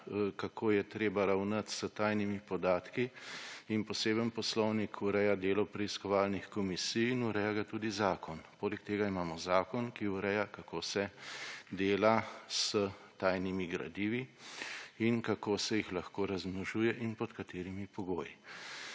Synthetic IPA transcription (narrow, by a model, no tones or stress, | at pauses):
kakʰoːjɛt̪ɾeːbaɾawnat̪sət̪ajnimipɔd̪aːt̪kiː | npɔseːbənpɔslɔwnikʰuɾɛjad̪eːlɔpɾɛiskɔʋaːlnixkɔmisijinuɾɛjaɡat̪uːd̪izaːkɔnpoːlɛkt̪eːɡaimaːmɔzaːkɔnkiuɾɛjakakoːsɛd̪eːlasət̪aːjnimiɡɾa̰d̪iːʋi | inkakoːsɛjixlaxkoːɾazmnɔʒuːjɛʔinpɔt̪kat̪eːɾimipɔɡoːji